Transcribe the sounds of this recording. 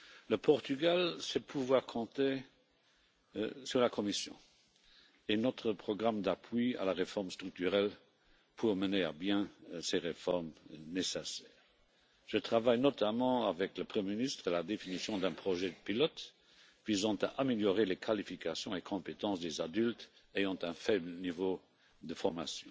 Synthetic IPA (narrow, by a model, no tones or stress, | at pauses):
ləpʰɔʁt̪yɡalsɛpʰuvwaːʁkʰɔ̃t̪e | syʁlakʰɔmisjɔ̰̃ | enɔt̪χəpχɔɡʁamd̪apʰɥia̰laʁefɔʁmst̪ʁyk̚t̪yʁɛl | pʰuʁmənea̰bjɛ̃seʁefɔʁmnesesɛːʁ | ʒ̥ət̪χavajnɔt̪amɑ̃avɛkləpχəmeminist̪χəlad̪efinisjɔ̃d̪ɛ̃pχɔʒɛəpilɔt̪ | vizɑ̃t̪aʔameljɔʁelekʰalifikasjɔ̃ekʰɔ̃pet̪ɑ̃sd̪ezad̪ylt̪ | ejɑ̃t̪ɛ̃fɛblənivo | d̪əfɔʁmasjɔ̃